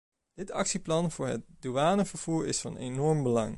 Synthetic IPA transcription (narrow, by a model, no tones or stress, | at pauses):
d̥ɪtɑ̰ksiplɑnv̥ʊːɹɦət̚duaːnəvəɹv̥uːɹɪ̰sfɑ̰nenɔɹmbəlɑ̰ŋ